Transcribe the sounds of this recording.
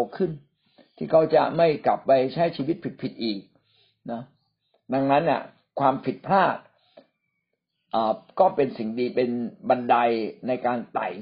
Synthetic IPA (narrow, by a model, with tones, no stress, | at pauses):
kʰɯ˥˩n | t̪ʰiː˥˩kʰa˦˥wt͡ɕa̰˨˩ma˥˩jkla˨˩pːa˧jt͡ɕʰa˦˥jt͡ɕʰiː˧wi˦˥t̪̚pʰi˨˩t̪̚pʰi˨˩t̪̚ʔiː˨˩k̚ | na˦˥ | da˧ŋna˦˥nːi˥˩ | kʰwaː˧mpʰi˨˩t̪̚pʰaː˥˩t̪̚ | ʔaː˨˩kɔː˥˩pe˧nsi˨˩ŋdiː˧pe˧nba˧nda˧jna˧jkaː˧nt̪a̰˨˩j